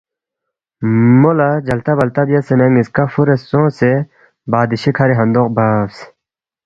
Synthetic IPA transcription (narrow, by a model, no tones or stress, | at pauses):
molad͡ʑɐlt̪abɐlt̪abijasenɐŋiskafuɾesõse | baːd̪iɕikʰɐɾiɦɐ̃nd̪oqbaːbs